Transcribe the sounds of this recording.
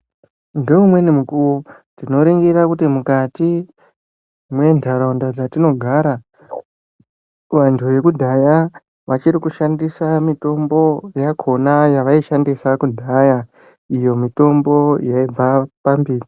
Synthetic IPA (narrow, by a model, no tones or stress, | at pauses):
ndeumwe̞nimukuu | tino̞ɾeŋɡiɾakutimukati | mwe̞ndʱaɾaundad͡zatino̞ɡʱaːɾa | ʋantʰuʋe̞kudʱaja | ʋat͡ʃiɾikuʃandisamito̞mbo̞jakʰo̞najaʋaiʃandisakudʱaja | ijo̞mito̞mbo̞jaib͡vapambiːri